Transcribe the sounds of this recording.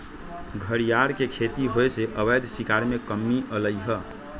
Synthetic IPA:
ɡʱəɾijaɾkekʰet̪iɦojseʔəβəjd̪ʱsikaɾmekəmːiʔələjɦə

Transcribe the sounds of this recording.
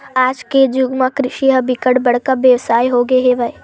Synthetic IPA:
aːd͡ʒked͡ʒʊɡmãkɾɪʃiɦɐbɪkəɽbɐɽ̤kabjəʋsaːjɦoɡeɦeʋəe

